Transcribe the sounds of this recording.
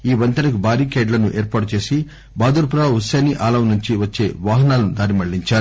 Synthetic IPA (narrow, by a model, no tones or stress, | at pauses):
iːʋɐnt̪ɐnɐkubʱaːɾiːkeːɖlɐnuʔeːɾpaːʈut͡ʃe̞ːsi | baːd̪uɾpuɾaːusaːniʔaːlɐmnuɲt͡ʃiʋɐt͡ʃːe̞ːʋaːɦɐnaːlɐnud̪aːɾimɐɭːiɲt͡ʃaːɾu